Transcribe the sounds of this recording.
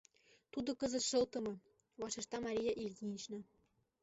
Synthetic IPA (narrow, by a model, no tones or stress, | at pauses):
t̪ud̪ŏkɤ̆zə̆t̪ʃɤ̆lt̪ɤ̆mɤ̆ | βɑʃeʃt̪ɑmɑɾʲijɑʔilʲɡʲinʲit͡ɕnɤ